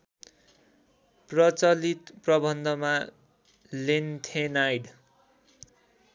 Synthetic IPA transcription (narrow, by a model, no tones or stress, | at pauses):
prʌt͡sʌlit̪prʌbʱʌnd̪ʱʌma | lent̪ʰenajɖ